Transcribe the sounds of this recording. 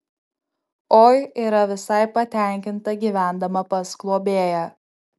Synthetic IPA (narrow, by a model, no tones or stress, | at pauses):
oːjiːɾɐʋʲɪsɐɪpɐt̪ʲæˑŋʲkʲɪnt̪ɐɡʲiːʋʲæˑnd̪ɐmɐpɐsklˠuɔbʲeːjɛ